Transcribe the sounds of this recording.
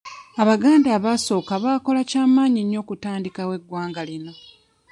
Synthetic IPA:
aβaɡaːndaːβaso̞ːkaβaːko̞lacaːmaːɲiɲːo̞ːkutaːndikawe̞ɡwaːŋɡalino̞

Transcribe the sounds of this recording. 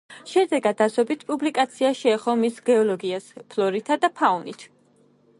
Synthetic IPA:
ʃɛd̪ɛɡad̪asɔbit̪ʰpʼublikʼat̪sʰiaʃɛːχɔmisɡɛɔlɔɡiaspʰlɔɾit̪ʰad̪apʰaɔnit̪ʰ

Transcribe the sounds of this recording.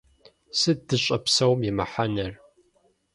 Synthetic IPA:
sɨdɨɕʼɐpsɐwmjɪmɐħanɐr

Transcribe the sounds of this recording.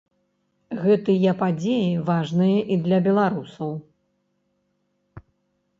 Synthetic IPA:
ɣɛt̪ɨjɐpad͡zʲejivaʐnɨjɐʔid̪lʲɐbʲɛlˠaɾusɐw

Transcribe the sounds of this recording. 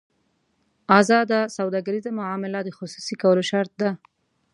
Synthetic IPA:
ɑzɑd̪asawd̪ɑɡaɾizamʊʕɑmɪlad̪əxʊsusikawəloʃaɾt̪̚d̪a

